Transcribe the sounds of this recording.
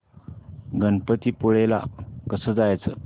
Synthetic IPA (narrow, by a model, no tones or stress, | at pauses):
ɡənpət̪iːpuɭela̰kəsəːd͡zajt͡sə